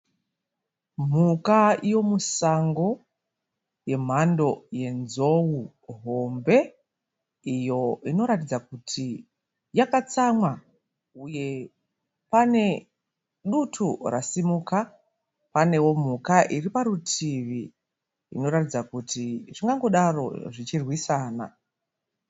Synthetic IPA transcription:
m̤ukaijo̞musaŋɡo̞ | je̞m̤ando̞je̞nzo̞wu | ɦo̞mbe̞ | ijo̞ino̞ɾatid͡zakutʰi | jakat͡samwa | uje̞ | pane̞ | ɗutʰurasimuːka | pane̞wo̞m̤ukaʔiripaɾutʰiʋi | ḭno̞ɾatid͡zakutiʐiŋɡaŋɡo̞ɗaro̞̰ʐit͡ʃirwisaːna̰

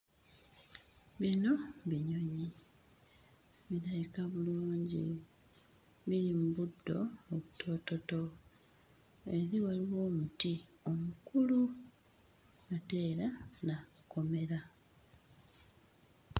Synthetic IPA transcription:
βino̞βiɲo̞ɲi | βiɾajikaβuluːɲɟḭ | βiɾimuβudːo̞̰oβutʰo̞ːto̞to̞ | e̞ɾiwaliwo̞ːmutio̞mukulu | ate̞ːɾanako̞me̞ɾa

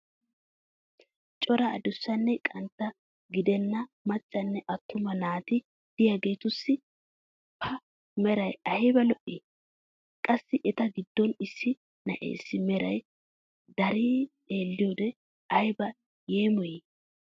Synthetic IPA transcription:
t͡ʃʼɔɾɐ̰ːd̪ʊsːɐnːɛkʼɐnt̪ːɐ | ɡɪd̪ɛnːɐmɐt͡ʃʼːɐnːɛʔɐt̪ʰːʊmɐnaːt̪ɪ | d̪̥ɪjɐɡe̞ːt̪ʊsːɪ | pʰːɐ | mɛɾɐjɐhɪbɐlɔʔi | kʼɐsːɪʔɛt̪ɐɡɪd̪ːɔnɪsːɪ | nɐ̰ʔḛːsːɪmɛɾɐj | d̪ɐɾiː | e̞ːlːɪjoːd̪ɛ | ɐjɪbɐ | jeːmɔje

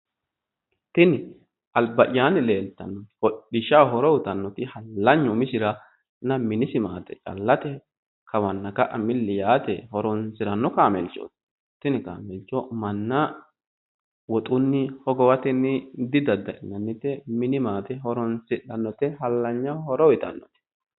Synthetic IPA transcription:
t̪ɪnɪ | ɐlbɐʔɪjaːnɪleːlt̪ɐ̰nːɔhɔɗɪʃawɦɔɾɔwʊt̪ɐnːɔt̪ɪhɐlːɐɲːɔmɪsɪɾɐ | nɐmɪnɪsɪmaːt̪ɛ̥t͡ʃʼɐ̰lːɐt̪ɛ | kʰɐwɐnːɐkɐʔɐmɪlːɪjaːt̪ɛhɔɾɔnsɪɾɐnːɔkaːmɛlt͡ʃːo̰ːt̪ | t̪ːɪnɪka̰ːmɛlt͡ʃːɔmɐnːɐ | wɔt̪ʼʊnːɪhɔɡɔwɐt̪ɛnːɪd̪ɪd̪ɐd̪ːɐʔɪnːɐnːɪt̪ːɛmɪnɪmaːt̪ɛɦɔɾɔnsɪᶑɐnːɔt̪ɪhɐlːɐɲːahɔɾɔwɪt̪ɐ̰nːɔt̪ɪ̥

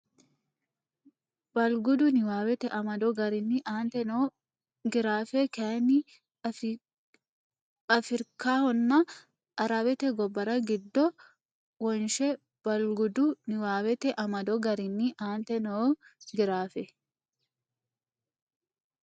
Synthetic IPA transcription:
bɐlɡʊd̪ʊnɪwaːwɛt̪ɛʔɐmɐd̪ɔɡɐɾɪnːiʔaːnt̪ɛno | ɡɪɾaːfɛkɛnɪ | ɐfɪɾkaːhɔnːa | ʔɐɾɐbɛt̪ɛɡɔbːɐɾɐɡɪd̪ːɔ | wɔnʃɛ | b̥ɐlɡʊd̪ʊnɪwaːwɛt̪ɛʔɐmɐd̪ɔɡɐɾɪnːiʔaːnt̪ɛnoɡɪɾaːfɛ

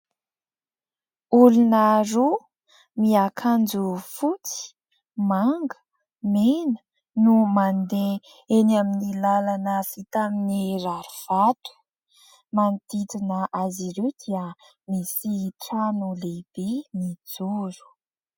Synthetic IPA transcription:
ulunaɾu | miakʰand͡zufut͡si̥ | maŋɡə̥ | menə̥ | numand̪e | enaminilalanəfit̪aminiraɾuv̥at̪u̥ | mant̪it̪inəʔaziɾed̪iə | misiʈ͡ʂanuleb̥inid͡zuɾu̥

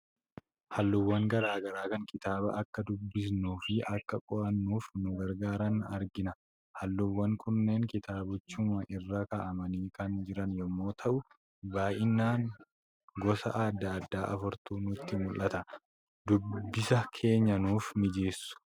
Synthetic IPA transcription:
hɐlːʊwːɐŋɡɐɾaːɡɐɾaːkɐŋkɪt̪aːbɐ̰ɐkːɐd̪ʊbːɪs̬nuːfɪʔɐkːɐkʼɔʔɐnːuːfnʊɡɐɾɡaːɾɐnɐɾɡɪnɐ | hɐlːʊwːɐŋkʰʊnːe̞ːŋkɪt̪aːbʊt͡ʃːʊmɐʔɪrːaːkɐʔɐmɐniːkɐnd͡ʒɪɾɐnjɛmːo̞ːt̪ʰɐʔʊ | baːjɪnːaːŋ | ɡɔsɐ̰ʔad̪ːɐːd̪ːaːʔɐfʊɾt̪uːnʊt̪ːɪmʊlːɐt̪ɐ | d̪ʊbːɪsɐkʰe̞ːɲːɐnuːfmɪd͡ʒeːsːʊ̥

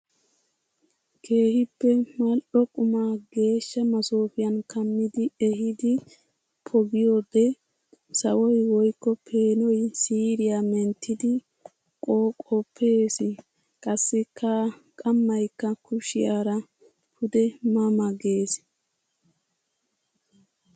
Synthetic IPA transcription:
kʰe̞ːhɪpːɛmɐlʔɔkʼʊmaːɡe̞ːʃːɐmɐsoːfɪjɐnkɐmːɪd̪ɪɛhɪd̪ɪ | pʰɔɡɪjoːd̪ɛ | sɐwɔjwɔjkːɔpʰe̞ːnɔjsiːɾɪjamɛnt̪ːɪd̪ɪ | kʼoːkʼɔpʰːeːsɪ | kʼɐsːɪkʰa | kʼɐmːɐjkːɐkʊʃɪjaːɾɐ | pʰʊd̪ɛmɐmɐɡe̞ːs

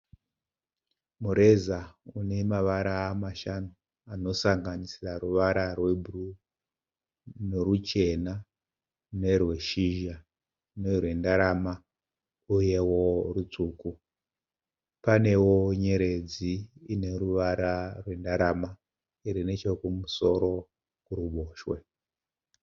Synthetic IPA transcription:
muɾe̞zaune̞maʋaɾaːmaʃano | ano̞saŋɡanisiraruʋaɾarwe̞bʱuru | no̞rut͡ʃe̞na | ne̞rwe̞ʃiʒa | ne̞rwe̞ndaɾama | uje̞wo̞rut͡suːku | pane̞wo̞ɲe̞ɾe̞d͡ziine̞ruʋaɾarwe̞ndaɾama | iɾine̞t͡ʃo̞kumuso̞ɾo̞ | kuruɓo̞ːʃwe̞

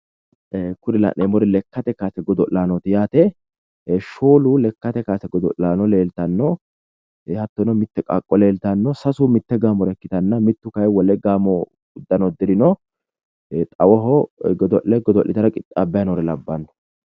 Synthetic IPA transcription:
kʊd̪ɪlɐ̰ʔemɔɾɪlɛkːɐt̪ɛkaːsɛɡɔd̪ɔʔlaːnɔt̪ɪjaːt̪ɛ | ʃoːlʊlɛkːɐt̪ɛkaːsɛɡɔd̪ɔ̰ʔaːnɔleːlt̪ɐnːɔ | hɐt̪ːɔnɔmɪt̪ːɛkʼɐkʼːɔle̞ːlt̪ɐnːɔsɐsumɪt̪ːɛɡaːmɔɾɛkːɪt̪ɐnːɐmɪt̪ːʊkɐjwɔlɛɡaːmɔ | ʊd̪ːɐnɔd̪ɪɾɪnɔ | t̪ʼɐwɔɦɔɡɔd̪ɔʔɛɡɔd̪ɔʔːɪt̪ɐɾɐkʼɪt̪ʼːabːɛjɐnɔɾɛlɐbːɐnːɔ̥

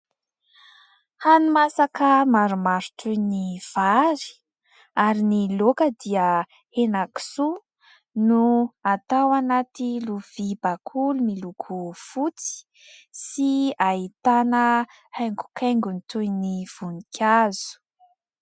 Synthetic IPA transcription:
hanumasakəmaɾumaɾu̥t̪ujniv̥aɾi̥ | aɾinilokəd̪iə | enaki̥su | nuat̪awanat̪iluv̥ibakʰulumilukʰufut͡si̥ | siaɦit̪anə | hajŋɡu̥kʰajŋɡunit̪ujniv̥unikʲʰazu̥

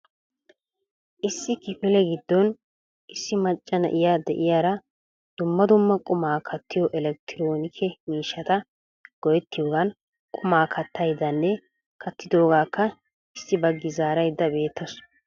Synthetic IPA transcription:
ʔɪsːɪkɪfɪlɛɡɪd̪ːɔn | ʔɪsːɪmɐt͡ʃʼːɐnɐ̰ʔɪjaːd̪ɛ̰ʔɪjaːɾɐ | d̪̥ʊmːɐd̪ʊmːɐkʼʊmaːkʰɐt̪ːɪjɔʔɛlɛk̚t̪ɪɾo̞ːnɪkʰɛmiːʃːɐt̪ɐ | ɡ̥ɔjɛt̪ːɪjoːɡɐn | kʼʊmaːkʰɐt̪ʰːɐjd̪ɐnːɛ | kʰɐt̪ːɪd̪o̞ːɡaːkːɐ | ɪsːɪbɐɡːɪzaːɾɐjd̪ːɐbe̞ːt̪ʰːɐs

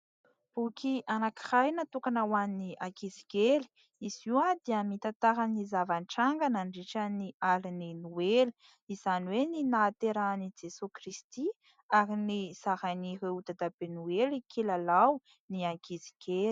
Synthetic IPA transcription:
b̥ukiʔanakirajnat̪ukanawanniʔakiziɡeli̥ | iziwad̪iəmit̪at̪aɦanizavanʈ͡ʂaŋɡanaɳɖ͡ʐiʈ͡ʂaniaɾininueli̥ | iz̥aniweninat̪eɾanid͡ʒesukrist̪i | aɾiniz̥aɦanireut̪ad̪abenuelikʰilalaw | niaŋkizi̥ɡeli̥

